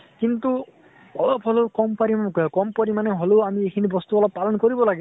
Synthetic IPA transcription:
kint̪u | ɔlɔbɦɔlokɔmpaɾikɔmpɔɾimaneɦoloamiekʰinibɔst̪uɔlɔb̚palɔnkɔɾibɔlaɡi

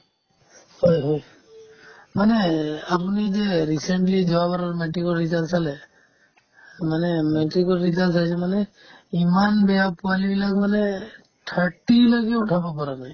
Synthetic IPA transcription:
hɔjɦɔj | maneapunid͡ʒeɾiseɳʈlid͡ʒɔabaɾɔɾmɛʈikɔɾɾizalsalɛ | manɛmɛʈɾikɔɾɾizalsajsʰɛmane | imanbɛjapualibilakmane | ʈʰəʈilɔɡɛuʈʰabɔpɔɾanaj

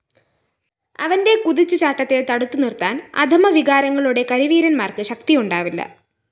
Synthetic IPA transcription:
ɐ̰ʋɐnde̞kuðit͡ɕːut͡ɕaːʈːɐt̪ːilt̪ɐɽut̪ːunirt̪aːnɐ̰d̪ʱɐmɐʋiɣaːɾɐŋːɐɭuɽe̞kɐɾiʋiːɾɐnmaːrkɨɕɐk̚t̪ijuɳɖaːʋilːɐ̰

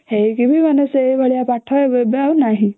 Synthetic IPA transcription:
hekibʱimanəsejʋʱəɭjapaʈʰːɔbebjawnaɦi

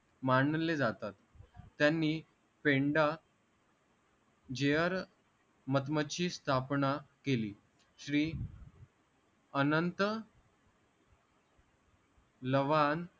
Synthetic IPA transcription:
maɳːəled͡zat̪at̪ː | janːiː | pẽɳɖa | d͡ʑejəɾ | mət̪̬mət͡ɕiːst̪ʰapɳakeliː | ɕɾiː | ənənt̪ə | ləʋan

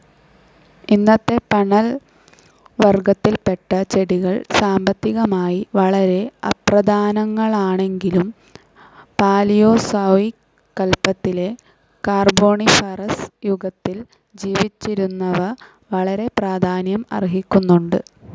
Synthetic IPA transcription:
inːɐt̪ːe̞pɐɳɐl | ʋɐrɡɐt̪ːilpe̞ʈːɐt͡ɕe̞ɽiɣɐɭsaːmbɐt̪ːiɣɐmaːjiʋɐɭɐɾe̞ɐ̰prɐd̪ʱaːnɐŋːɐɭaːɳe̞ŋɡilum | paːlijo̞ːsɐʋikː | ɐlpːɐt̪ːile̞ | kaːrbo̞ːɳifɐrɐsjuɡɐt̪ːil | d͡ʑiːʋit͡ɕːiɾunːɐʋɐ | ʋɐɭɐɾe̞praːd̪ʱaːnjɐmɐ̰riɦikʲːunːuɳɖɨ

